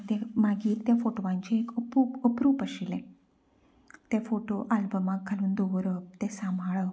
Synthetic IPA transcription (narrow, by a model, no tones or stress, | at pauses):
t̪emaɡiːt̪jafoʈoʋãɲt͡ɕiekəpuːpəpɾuːpəɕilɛ̃ | t̪efoʈo̰ʔalbəmaɡkʰːaluːnd̪oʋəɾəp̚t̪esamʱaɭə